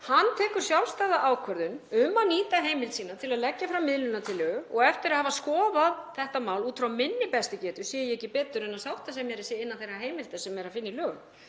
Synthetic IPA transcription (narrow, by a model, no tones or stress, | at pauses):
hanːt̪ʰɛːkʏɾ̥sjawlst̪aːjðaʔaːwkʰvœɾðʏnʏmːaniːt̪aɦeːjmɪlt̪siːnat̪ʰɪlaðlɛcːafɾamːɪðlʏnat̪ʰɪlːœːɔɣɛft̪ɪɾaðhavaskɔːvaðθɛht̪amaːwluːt̪fɾawmɪnːɪpɛst̪ɪcɛːt̪ʏ̥sjɛjɛɛcɪpɛːt̪ʏɾɛnːaðsawht̪as̬ɛmjɛɾɪsɛːɪnːanθejraɦeːjmɪlt̪asɛmɛɾaðfɪnːɪlœː